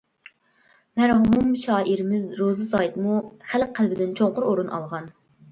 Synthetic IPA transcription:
mæɾɦumumʃɑːʔiɾɪmɪzɾozɨsɑjit̪muχælqʰːælbɪd̪ɪnt͡ʃʰoŋqʊɾoɾunʔɑ̰lˠʁɑn

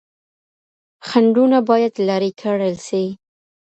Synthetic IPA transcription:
xaɳɖunabɑjad̪lɑɾikʰəɽəlsi

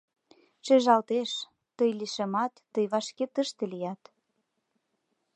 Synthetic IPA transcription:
ʃeʒɑlt̪eʃ | t̪əjliʃemɑt̪ːəjβɑʃket̪əʃt̪ĕlijɑt̪

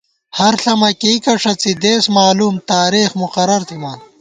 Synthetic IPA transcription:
hɐɾɬɐmɐkekɐʂɐt͡sid̪eːsmaːluːmt̪aːɾiːxmuqɐɾɐɾt̪ʰimaːn

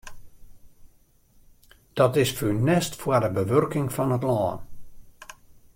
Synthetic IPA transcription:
d̥ɔtɪsfynɛstfwədəbəʋørkɪŋfɔnətlɔːn

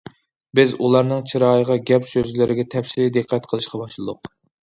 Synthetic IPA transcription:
bɪzulˠɑɾnɨŋt͡ʃʰiɾɑːjəʁɑɡʲɛpsøzlɪɾɪɡʲɛt̪ʰɛfsɪlid̪ɨqʰːɛt̪qʰəlˠɨʃqɑbɑʃlˠɨd̪ʊq

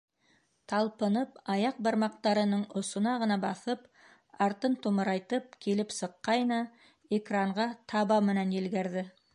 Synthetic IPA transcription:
t̪ʰɑlˠpɤ̆nɤpɑjɑq̚bɑɾmɑq̚t̪ɑɾɤ̆nɤɴŏsŏnɑʁɤ̆nɑbɑθɤp | ɑɾt̪ɤnt̪umɤ̆ɾɑjt̪ɤp̚kʰilɘpsɤ̆qːɑjnɑ | ekraɴʁɑt̪ʰɑβɑmɘ̆nænjɘ̆lɡæɾðɘ

